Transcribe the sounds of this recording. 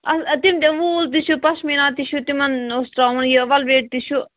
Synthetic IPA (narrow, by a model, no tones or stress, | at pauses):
ɐst̪imt̪eʋuːlt̪it͡ʃʰupɐsminãːt̪iʃut̪imɐnostɾaːʋunjiʋɐlʋeːʈ̚t̪iʃu